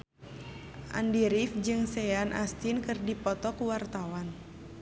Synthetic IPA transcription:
ʔa̰ndiɾifd͡ʒɨŋsɛanʔa̰st̪inkɨrdipɔt̪ɔkuwart̪awan

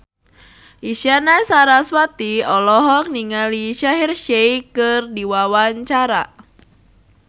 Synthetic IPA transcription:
ʔiʃanasaɾaswat̪iɔlɔɦɔk̚niŋaliʃaɦirʃeikɨrdiwawaɲt͡ʃaɾa

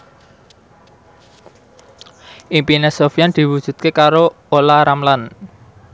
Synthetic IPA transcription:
ʔimpinesofijand̪̥i̤wud̥ʒ̥ṳt̪̚kekaɾo | olaɾamlan

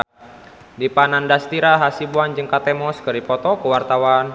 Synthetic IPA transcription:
dipanandast̪iɾaɦasibuand͡ʒɨŋkat̪ɛmɔskɨripɔt̪ɔkəwart̪awan

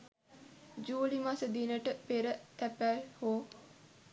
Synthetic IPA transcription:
d͡ʒuːlimasəd̪inəʈəpeɾət̪æpælhoː

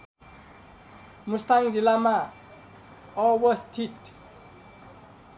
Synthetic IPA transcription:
must̪aŋd͡zilama | ɔwʌst̪ʰiʈ

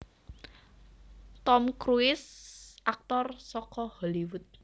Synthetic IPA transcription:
t̪ɔmkɾuɪsʔak̚t̪ɔrsɔkɔhɔliwʊt̪̚

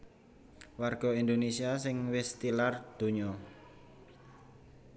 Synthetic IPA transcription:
warɡ̥ɔ̤ind̪onesiasɪŋwɪst̪ilard̪̥o̤ɲɔ

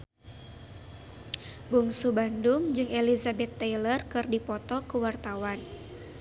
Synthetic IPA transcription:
buŋsubandʊŋd͡ʒɨŋelizabɛt̪ːajlərkɨrdipɔt̪ɔkuwart̪awan

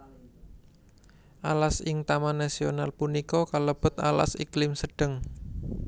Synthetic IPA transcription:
ʔalasɪŋt̪amanasionalpunikɔkaləb̥ʊ̤t̪a̰la̰siklɪmsəɖ̥əŋ

